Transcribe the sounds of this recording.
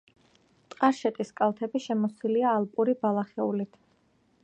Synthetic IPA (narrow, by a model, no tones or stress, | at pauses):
t̪ʼqʼaɾʃɛt̪ʼiskʼalˠt̪ʰɛbiʃɛmɔsiliaːlˠpʼuɾibalˠaχɛulit̪ʰ